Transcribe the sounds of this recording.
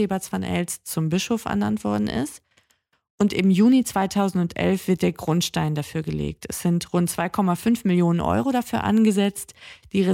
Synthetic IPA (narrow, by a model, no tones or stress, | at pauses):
eːbat͡sv̥anʔɛ̰lst͡sʊmbɪʃofɛ̰ɐna̰ntv̥ɔɐdn̩ʔɪ̰st | ʔʊntʔɪmjuːnit͡sv̥aɪtʰaʊzn̩tʊntʔɛ̰lfv̥ɪɐt̚d̥eːɐɡʁʊntʃtaɪndafyːɐɡəlḛːk̚tɛsz̥ɪntʁʊntt͡sv̥aɪkʰɔmafʏnfmɪljoːnənʔɔ̰ʏʁodafyːɐʔa̰nɡəzɛt͡std̥iːʁe